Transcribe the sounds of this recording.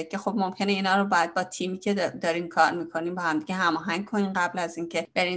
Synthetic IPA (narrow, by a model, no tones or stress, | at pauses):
kʰʲexob̚mo̞mcʰe̞neiːnɒːɾobɒːjæd̪̚bɒːt̪ʰiːmiːcʰe̞d̪ɒːɾiːnkʰɒːɾmiːkʰo̞niːmbɒːhæmd̪iɡʲeɦæmɒːɦæŋɡ̚kʰo̞niːnɢæblæziːncʰe̞b̥e̞ɾin